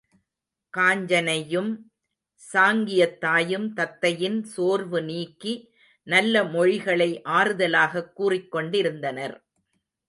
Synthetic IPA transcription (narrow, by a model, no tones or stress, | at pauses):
kaːɲd͡ʒɐnɐjɯm | saːŋɡɪjɐt̪ːaːjɯmt̪ɐt̪ːɐjɪnsoːɾʋɯniːkːi | nɐlːɐmɔɻɪɣɐɭɐɪʔaːɾɯðɐlaːɣɐkːuːrɪkːɔɳɖɪɾɯnd̪ɐnɐɾ